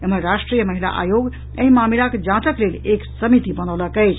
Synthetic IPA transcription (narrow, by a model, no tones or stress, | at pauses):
emənɾasʈɾijəməɦila̰ʔa̰joɡ | ə̃ɦĩmamilaked͡ʒat̪əkleleksəmit̪ibənələkəjt͡ʃʰ